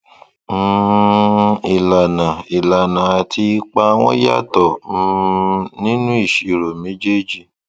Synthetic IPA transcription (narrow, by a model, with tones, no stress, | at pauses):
i˨la˨nã˨i˨la˨nã˨a˧˨tʰi˧˦k͡pa˦w̃ɔ̃˦ja̰˦˨tɔ˨˦ | nĩ˦nũ˦i˦˨ʃi˨ɾo˨mẽ˨˦d͡ʒe˦d͡ʒi˨